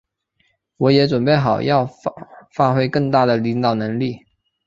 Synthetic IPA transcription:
wɔ˧˥jɛ˧˥ʈ͡ʂwə˨˩npe˥˩ɪxɑ˨˩ʊjɑ˥˧ʊfa˥xwe˧˥ɪkɤ˥˩ŋt̪a˥˩d̪ə˩li˧˥ŋt̪ɑ˨˩ʊnɤ˧˥ŋli˥˩

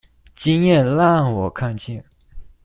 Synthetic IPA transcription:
t͡ɕi˥njɛ˥˨nla˥˨ŋwɔ˨˩kʰa˥˨nt͡ɕʰɛ˥˩˨n

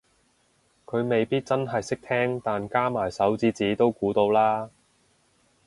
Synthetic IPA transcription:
kʰɵ˨˧ɥme˨jpiː˥t̚t͡sɐ˥nɦɐ˨jsɪ˥k̚t̪ʰɛː˥ŋt̪aː˨nkaː˥maː˨˩jsɐ˨˥wt͡siː˧˥t͡siː˨˥t̪o˥wkuː˨˥t̪o˧wlaː˥

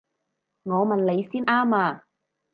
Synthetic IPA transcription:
ŋɔː˨˧mɐ˨nle˨˧jsiː˥nʔaː˥maː˧

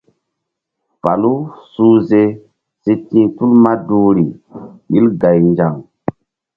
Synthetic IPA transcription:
pa˨lu˦su˦ze˨ | si˧tĩ˦tu˦lma˦du˦ɾi˨ɓi˦lɡa˨jnd͡ʒa˨ŋ

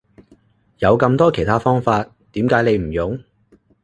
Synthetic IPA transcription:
jɐ˨˧wkɐ˧mt̪ɔː˥kʰjt̪ʰaː˥fɔː˥ŋfaː˧t̪̚ːiː˨˥mkaː˨˥jne˨˧jm̩˨˩jʊ˨˥ŋ

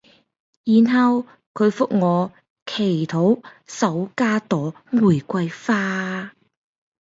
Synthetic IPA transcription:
jiː˨nɦɐ˨˧w | kʰɵ˨˧ɥfʊ˥k̚ŋɔː˨˧ | kʰe˨˩jt̪ʰo˨˥wsɐ˨˥wkaː˥t̪ɔː˨˥ŋuː˨˩jkʷɐ˧jfaː˥

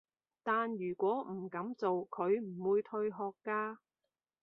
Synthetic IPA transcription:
t̪aː˨njyː˨˩kʷɔː˨˥m̩˨˩kɐ˨˥mt͡so˨wkʰɵ˨˧ɥm̩˨˩wuː˨˧jt̪ʰɵ˧ɥɦɔː˧kːaː˧

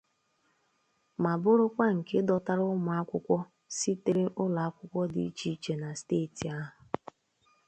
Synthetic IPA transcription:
ma˨bʊ˦ɾʊ˦kʷa˦ŋ̩˨ke˦dɔ˨ta˦ɾʊ˦ma˨a˦kʷʊ˦kʷɔ˦ | si˦te˦ɾɪ˦ʔʊ˦la˨a˦kʷʊ˦kʷɔ˦di˨i˦t͡ʃi˦t͡ʃe˨na˨steː˦˨ti˨a˦ɦʊ˨

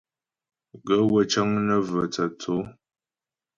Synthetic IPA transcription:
ɡə˦wə˦˨t͡ʃə˦ŋnə˦və˨t͡sə˨t͡so˨˦

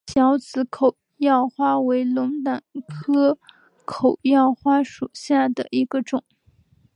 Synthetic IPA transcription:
ɕjɑ˧˥ʊt͡sɹ̩˧˥kʰo˨˩ʊ | jɑ˥˩ʊxwa˥we˧˥ɪlʊ˧˥ŋt̪a˨˩nkʰɤ˥ | kʰo˨˩ʊjɑ˥˩˧ʊxwa˥ʂu˨˩ɕja˥˩d̪ə˩ʔi˧˥ɡ̥ə˧ʈ͡ʂʊ˨˩˦ŋ

